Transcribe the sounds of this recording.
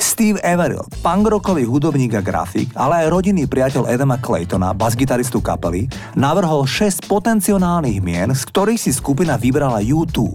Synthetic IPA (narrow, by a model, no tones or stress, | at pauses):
st̪iːʋɛʋɛɾḭl | paŋɡɾɔkɔʋiɦud̪ɔbɲiːɡaɡɾa̰fḭɡalɛajɾɔɟinːiːpɾɪacɛʎʔɛd̪ɛmaklɛ̰jt̪ɔna̰bazɡit̪aɾist̪uka̰pɛli | naʋr̩ɦɔlʃɛscpɔt̪ɛnt͡siɔnaːlniːɣmɪɛnskt̪ɔɾiːxsiskupinaʋibɾalajuːt̪ṵːp